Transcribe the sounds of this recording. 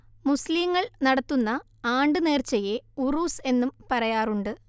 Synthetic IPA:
musliːŋːɐɭnɐɽɐt̪ːunːɐ | aːɳɖɨne̞ːrt͡ɕːɐjeuruːse̞nːumpɐrɐjaːruɳɖɨ

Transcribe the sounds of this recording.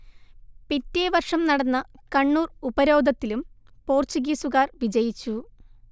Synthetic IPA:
pitːeːʋɐrʂɐmnɐɽɐnːɐ | kɐɳːuːrubɐɾo̞ːd̪ɐt̪ːilum | po̞ːrt͡ɕuɡiːsuɣaːrʋid͡ʑɐjit͡ɕːu

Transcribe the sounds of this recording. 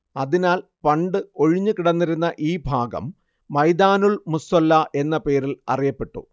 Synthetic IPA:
ɐðinaːlpɐɳɖɨo̞ɻiɲːɨkiɽɐnːiɾunːɐʔiːbʱaːɡɐ̰mː | ɐjd̪aːnuɭmusɐlːɐʔe̞nːɐpe̞ːɾilɐ̰rijɐpːe̞ʈːṵ

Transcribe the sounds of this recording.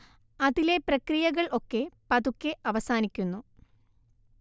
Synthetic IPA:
ɐðile̞prɐkrijɐɣɐɭʔo̞kːe̞pɐðukʲːeʔɐʋɐsaːnikʲːunːu

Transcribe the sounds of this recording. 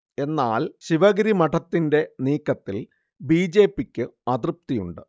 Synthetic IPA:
e̞nːaːlɕiʋɐɣɐɾimɐʈʰɐt̪ːinde̞niːkːɐt̪ːil | biːd͡ʑe̞ːpːikʲːɨɐt̪rɨp̚t̪ijṵɳɖɨ

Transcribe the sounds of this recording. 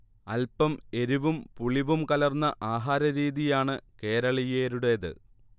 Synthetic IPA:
ɐ̰lpɐme̞ɾuʋumpuɭiʋumkɐlɐrnːɐʔaːɦaːɾɐɾiːðijaːɳɨke̞ːɾɐɭijeːɾuɽe̞ːðɨ̰

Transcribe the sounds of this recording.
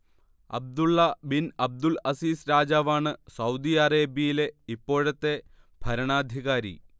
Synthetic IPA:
ɐ̰b̚d̪uɭːɐbinɐb̚d̪ulɐsiːsɾaːd͡ʑaːʋaːɳɨsɐwd̪ijɐreːbijile̞ipːo̞ːɻɐt̪ːe̞ | bʱɐɾɐɳaːd̪ʱiɣaːɾḭ

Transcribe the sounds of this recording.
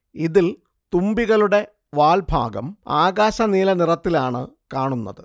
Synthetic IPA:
iðil | t̪umbiɣɐluɽe̞ | ʋaːlbʱa̰ːɡɐ̰maːɣaːɕɐniːlɐnirɐt̪ːilaːɳɨ̰kaːɳunːɐ̰ðɨ

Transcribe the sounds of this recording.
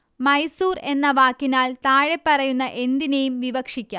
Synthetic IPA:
mɐjsuːre̞nːɐʋaːkːinaːlt̪aːɻe̞pːɐrɐjunːɐʔe̞nd̪inejumʋiʋɐkʂikʲːa

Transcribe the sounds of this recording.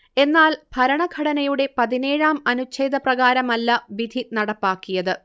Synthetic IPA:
e̞nːaːlb̥ʱɐɾɐɳɐɡʱɐɽɐnɐjuɽe̞pɐðine̞ːɻaːmɐnut͡ɕeːd̪ʱɐprɐɣaːɾɐmɐlːɐʋid̪ʱinɐɽɐpːaːkːijɐðɨ

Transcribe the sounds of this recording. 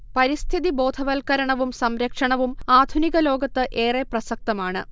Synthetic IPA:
pɐɾist̪ʰiðibo̞ːd̪ʱɐʋɐlkɐɾɐɳɐʋumsɐmɾɐkʂɐɳɐʋumaːd̪ʱuniɣɐlo̞ːɡɐt̪ːɨʔe̞ːreprɐsɐk̚t̪ɐmaːɳɨ

